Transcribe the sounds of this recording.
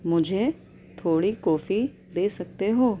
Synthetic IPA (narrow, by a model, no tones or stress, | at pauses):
mʊd͡ʒʱe | t̪ʰoːɽikɔːfi | d̪eːsɐk̚t̪eɦoː